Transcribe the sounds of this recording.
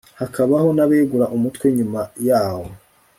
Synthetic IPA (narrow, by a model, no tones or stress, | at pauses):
hakaβaho̞naβeːɡuɾaʔumutwe̞ɲumajaːwo̞